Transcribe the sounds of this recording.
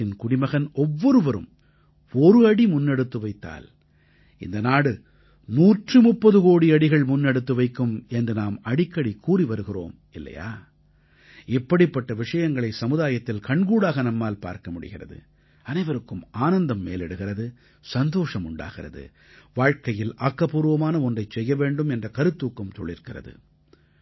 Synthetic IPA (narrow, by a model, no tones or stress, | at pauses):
ɪnkʊɽɪmɐɣɐnʔɔʋːɔɾɯʋɐɾɯ̰m | ɔɾɯɐɽimʊnːɛɽɯt̪ːɯʋɐɪt̪ːa̰ːl | ɪ̰nd̪ɐnaːɽɯ | muːʈrɯmʊpːɐðɯkoːɽiɐɽɪɣɐɭmʊnːɛɽɯt̪ːɯʋɐɪkːɯmɛndrɯnaːmɐɽɪkːɐɽikːuːriʋɐɾɯɣɪro̰ːm | ɪlːɐ̰ja̰ː | ɪpːɐɽɪpːɐʈːɐʋɪʂɐjɐŋɡɐɭɐɪsɐmɯðaːjɐt̪ːɪlkɐɳɡuːɽaːɣɐnɐmːaːlpa̰ːɾkɐmʊɽɪ̰ɣɪrɐ̰ðɯ̰ | ɐnɐɪʋɐɾɯkːɯmaːnɐnd̪ɐmːḛːlɛɽɯɣɪrɐðɯ | sɐnd̪oːʂɐmʊɳɖa̰ːɣɪrɐ̰ðɯ̰ | ʋaːɻkɐjɪlʔaːkːɐpuːɾɯʋɐmaːnɐɔndrɐɪt͡ʃsɛjːɐʋeːɳɖɯmɛndrɐkɐɾɯt̪ːuːkːɯmsɔ̰ɭːɪɾkɪrɐ̰ðɯ̰